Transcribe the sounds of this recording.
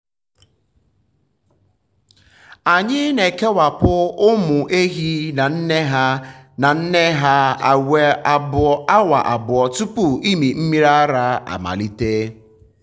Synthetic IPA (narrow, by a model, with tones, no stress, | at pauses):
a˨ɲɪ˦ne˨ke˦wa˨pʊ˦ʊ˦mʊ˨ʔe˦ɦi˦na˨n̩˦ne˦ɦa˦na˨n̩˦ne˦ɦa˦a˨we˨ba˦wa˨ʔa˨bʊ˨ɔ˨tu˦pʊ˨i˦mi˨m̩˦mi˦ɾa˦ɾa˦a̰˨ma̰˨li˦te˦